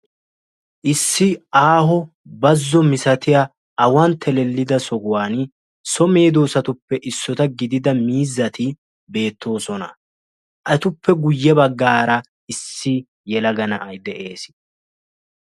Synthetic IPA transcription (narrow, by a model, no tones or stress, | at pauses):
ʔɪsːɪaːɦɔ | bɐzːɔmɪsɐt̪ɪja | ɐwɐnt̪ʰːɛlɛlːɪd̪ɐsɔɡʊwaːn | sɔmeːd̪o̞ːsɐt̪ʊpːɛʔɪsːɔt̪ɐɡɪd̪ɪd̪ɐmiːzːɐt̪ɪ | be̞ːt̪ʰːo̞ːsɔnɐ | ʔɐt̪ʊpːɛɡʊjːɛbɐɡːaːɾɐ | ɪsːɪ | jɛlɐɡɐnɐ̰ʔɐjd̪ɛʔe̞ːs